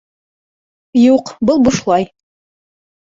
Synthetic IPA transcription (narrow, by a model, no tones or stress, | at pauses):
juqbɤlˠbuʃlˠɑj